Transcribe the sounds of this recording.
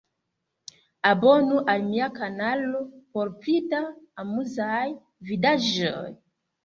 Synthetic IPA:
abonuʔalmiakanalopoɾplitaːmuzaj | vidaʒoj

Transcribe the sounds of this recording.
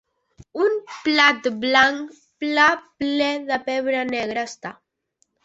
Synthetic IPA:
umplat̪blaŋk | plaplɛðəpɛβɾanɛɣɾaːst̪a

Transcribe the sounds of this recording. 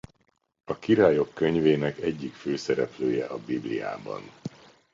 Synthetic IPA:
ɒkiɾaːjo̞kːø̞ɲveːnɛkɛɟːikføːsɛɾɛpløːjɛʔɒbiblḭja̰ːbɒ̰n

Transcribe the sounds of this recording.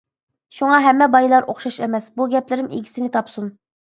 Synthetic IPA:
ʃuŋɑɦɛmːɛbɑjlˠɑɾoχʃɑʃɛmɛsbuɡʲɛplɪɾɪmḛɡʲi̥sɪnɪt̪ʰɑpsun

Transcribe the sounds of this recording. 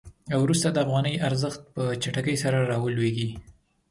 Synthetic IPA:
awɾust̪ad̪əafɣɑnəjʔaɾzəxt̪̚pət͡ʃaʈakəjsaɾaɾɑwəlweɡi

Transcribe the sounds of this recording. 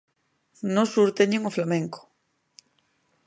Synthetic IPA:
nosuɾt̪eɲeŋoflamẽŋko̥

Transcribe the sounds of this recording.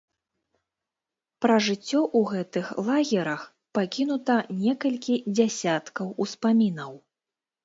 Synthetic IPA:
pɾɐʐɨt͡sʲːɔʔuɣɛt̪ɨxlˠaɣʲɛɾɐx | pakʲin̪ut̪ɐnʲɛkɐlʲkʲid͡zʲasʲat̪kɐwuspamʲinɐw

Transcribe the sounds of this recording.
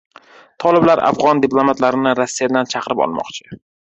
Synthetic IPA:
t̪ʰɒlɪblaɾa̰fʁɒnd̪ɪplˠomat̪laɾɪnɪɾasːijad̪ant͡ʃʰɑqʰɾɪpɒ̰lˠmɒ̰qt͡ʃʰɪ̥

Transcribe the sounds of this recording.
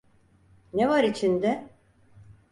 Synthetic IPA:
nevaɾit͡ʃʰind̪ɛ

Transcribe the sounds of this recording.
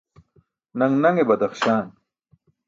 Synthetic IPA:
nɐŋnɐŋebɐd̪ɐxɕaːn

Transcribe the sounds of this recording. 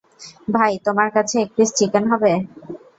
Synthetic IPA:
bʱajt̪omaɾkat͡ɕʰeek̚ʈisʈikenɦɔbe

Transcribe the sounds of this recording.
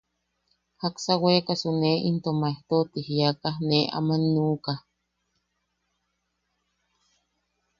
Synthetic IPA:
haksawekasuneʔint̪omaeht̪ot̪ihjakahneʔa̰manːukah

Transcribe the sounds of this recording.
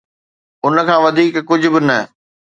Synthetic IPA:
ʊnə̆kʰãːʋɐd̪ʱiːkkːʊd͡ʑʱʊ̆bɪnɐ

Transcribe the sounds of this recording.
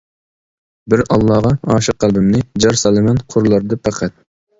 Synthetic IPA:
bɪɾɑlˠːɑːʁɑɑːʃɨq̚ːælˠbɪmnɪd͡ʒɑɾsɑlˠɨmɛnqʰʊɾlˠɑɾd̪ɑpʰɑqʰɛt̪̚

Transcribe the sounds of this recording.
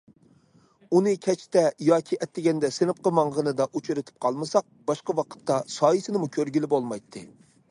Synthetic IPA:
unɨkʲʰɛt͡ʃt̪ɛjɑːkʲʰiʔɛt̪ːɪɡʲɛnd̪ɛsɪnɨp̚qəmɑŋʁənɨd̪ɑʔut͡ʃʰyɾɨt̪ʰɪ̥p̚qʰɑlˠmɨsɑq̚b̥ɑʃqɑwɑqʰə̥t̪ːɑsɑːjisɪnɪmukʲʰøɾɡʲilɪbolˠmɑjt̪ʰːɨ

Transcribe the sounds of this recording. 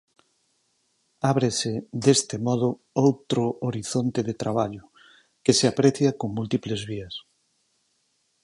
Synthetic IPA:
aβɾesed̪est̪ɪmɔð̞ʊ | owt̪ɾʊʔoɾiθont̪eðet̪ɾaβ̞aʎʊ | keseapɾeθjakoŋmult̪iplezβiɐs

